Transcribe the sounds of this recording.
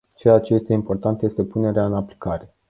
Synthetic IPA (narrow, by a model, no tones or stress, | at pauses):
t͡ʃeat͡ʃe̞je̞st̪e̞impo̞rt̪ant̪je̞st̪e̞pune̞ɾeaɨnaplikaɾe̞